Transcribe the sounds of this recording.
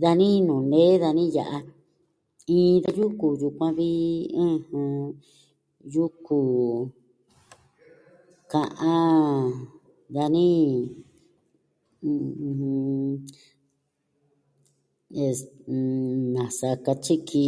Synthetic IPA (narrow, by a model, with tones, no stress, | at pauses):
ða˧nĩ˦nũː˨nẽ˦ða˧nĩ˦ja̰˨ʔa˧ | ĩː˦˧ða˧ju˦ku˨ju˧kʷã˧βi˦ẽ˦hɨ̃˧ | ju˦ku˨ | kã˧ʔã˦ | ða˧nĩ˦˧ | e˧ | nã˨sa˧ka˧t͡ʃi˦kʰi˧